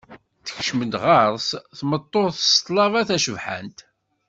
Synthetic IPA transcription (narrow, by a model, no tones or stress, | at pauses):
θə̥çʃməd̪ʁɑɾˤsθmət̪ˤːoɾθə̥st̪ˤlɑvɑθæʃəvħa̰nt̪